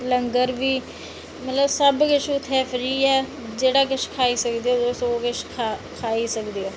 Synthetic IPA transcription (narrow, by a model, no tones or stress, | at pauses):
ləŋɡəɾʋiː | mət̪ləbsəbkɪʃʰʊt̪ʰːɛːfʰɾiːɛː | d͡ʒeːɽaːk̬ɪʃkʰaːiːsəkd̪eːod̪osoːkɪʃkʰakʰaːiːsəkd̪ioː